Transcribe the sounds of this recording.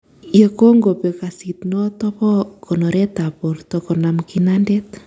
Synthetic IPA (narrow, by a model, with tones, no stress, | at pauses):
je˨ko˦ŋɡo˨pe˨ka˨si˨tno˦tɔ˦βɔ˦kʰo˨no˨ɾe˦ta˨po˨ɾto˨ko˨na˨mki˨nande˦t